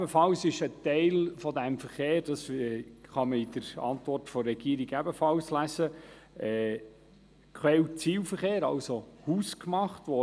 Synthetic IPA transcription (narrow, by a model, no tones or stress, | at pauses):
bəfɑlsɪʃətɛɪlfɔd̪æmfəɾχeːɾdɑsɛχɑməid̥əɾɑ̰nt̪vɔrtfɔrːɛɡ̥iːɾiɡæbəfɑlslæsə | ɛː | kʰχwɛlt͡siːlfəɾχeːɾɑ̰lsohuːskmɑχt̪ʋɔ